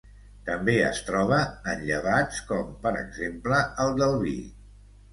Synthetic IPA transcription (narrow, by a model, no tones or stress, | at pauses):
t̪əmbeə̰st̪ɾɔβ̞əənʎəβ̞at͡skɔmpəɾə̰ɡzempləəlˠd̪əlˠβḭ